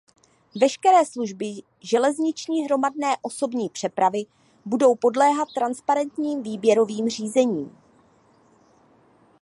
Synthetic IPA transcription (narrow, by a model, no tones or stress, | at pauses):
vɛʃkɛɾɛːsluʒbɪ | ʒɛlɛzɲɪt͡ʃɲiːɦɾo̞mad̚nɛːʔo̞so̞bɲiːpr̥ɛpɾavɪ | budo̞wpo̞dlɛːɦat̪ːɾanspaɾɛnt̪ɲiːmviːbjɛɾo̞viːmr̝iːzɛɲiːm